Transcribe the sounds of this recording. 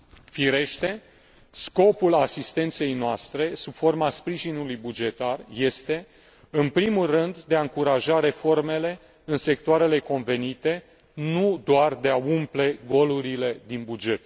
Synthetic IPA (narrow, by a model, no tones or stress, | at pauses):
fiɾe̞ʃt̪e̞ | sko̞pulasist̪e̞nt̪se̞jnoast̪ɾe̞sub̥fo̞rmaspɾiʒinulujbud͡ʒe̞t̪arje̞st̪e̞ | ɨnpɾimulrɨnd̪ːe̞aɨŋkuɾaʒaɾe̞fo̞rme̞le̞ | ɨnse̞k̚t̪oaɾe̞le̞ko̞nve̞nit̪e̞ | nud̪oard̪e̞aumple̞ɡo̞luɾile̞d̪inbud͡ʒe̞t̪